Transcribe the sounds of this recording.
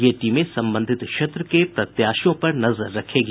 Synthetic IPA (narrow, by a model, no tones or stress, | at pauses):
jeʈiːmẽsɐ̃mbə̃nd̪ʱɪt̪ʃɐt̪ɾəkepɾɐt̪jaːʃjõpɐɾnɐzəɾːɐkʰeːɡ